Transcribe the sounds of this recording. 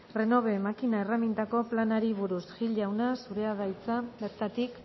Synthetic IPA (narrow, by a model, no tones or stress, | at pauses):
re̞no̞β̞e̞makinaeramint̪ako̞planaɾiβuɾusʝiʎawnasuɾe̞að̞ajt͡sabe̞ɾt̪at̪ik